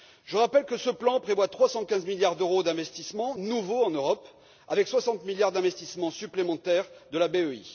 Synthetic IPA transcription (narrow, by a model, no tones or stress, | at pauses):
ʒ̥əʁapɛlkəsəplɑ̃pχevwat̪χwasɑ̃kʲɛ̃zmiljaʁd̪øʁod̪ɛ̃vɛst̪ismɑ̃nuvoɑ̃nøʁɔp | avɛkswasɑ̃t̪miljaʁd̪ɛ̃vɛst̪ismɑ̃syplemɑ̃t̪ɛʁd̪əlabeøḭ